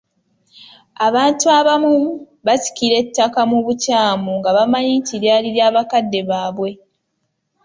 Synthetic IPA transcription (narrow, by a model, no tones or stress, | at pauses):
aβaːntuaβamu | βasi̥kiɾe̞tːakamuβucaːmuŋɡaβamaɲiːtiɾjaːliɾjaːβakadːe̞βaːβwe̞